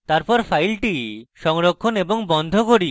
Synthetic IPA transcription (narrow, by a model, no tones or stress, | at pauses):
t̪aɾpɔɾfʰajlʈiʃɔŋɾokʰːoneboŋbɔnd̪ʱokoɾi